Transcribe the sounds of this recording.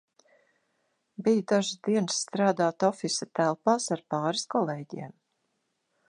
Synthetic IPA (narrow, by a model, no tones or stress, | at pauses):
bijd̪aʒzd̪iɛnsːt̪ɾaːd̪aːt̪ɔfisat̪ælˠpaːsaɾpɑːɾiskɔlˠeːɟiɛm